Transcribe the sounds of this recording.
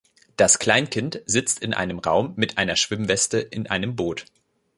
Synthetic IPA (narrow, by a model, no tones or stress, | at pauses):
d̥askl̥aɪnkʰɪntz̥ɪt͡stɪnʔa̰ɪnəmʁa̰ʊmːɪtʔaɪnɐʃv̥ɪmvɛstəʔɪnʔa̰ɪnəmboːt